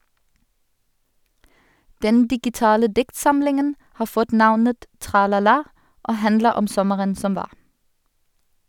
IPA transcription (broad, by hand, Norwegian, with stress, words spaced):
ˈdɛn dɪɡɪˈtɑːlə ˈdɪktˌsɑmlɪŋən ˈhɑː ˈfɔt ˈnɑʋnət tʁɑlɑˈlɑː ˈʔoː ˈhændləʁ ˈɔm ˈsɔməʁən ˈsɔm ˈʋɑːʁ